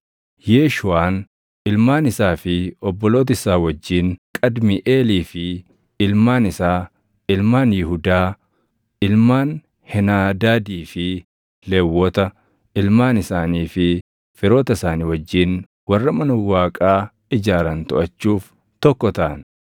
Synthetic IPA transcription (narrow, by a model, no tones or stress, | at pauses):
jeːʃʊaːn | ɪlmaːnɪsaːfɪɔbːɔlo̞ːt̪̬ɪsaːwɐd͡ʒːiːŋkʼɐd̪mɪʔe̞ːliːfɪ | ɪlmaːnɪsaː | ɪlmaːnjɪɦʊd̪aː | ɪlmaːn | hɛnaːd̪aːd̪iːfɪ | leːwːɔt̪ɐ | ɪlmaːnɪsaːniːfɪ | fɪɾo̞ːt̪ɐɪsaːniwɐd͡ʒːiːn | wɐrːɐmɐnɐwaːkʼaː | ɪd͡ʒaːɾɐnt̪ʊʔɐt͡ʃːuːf | t̪ɔkːɔt̪ɐʔɐn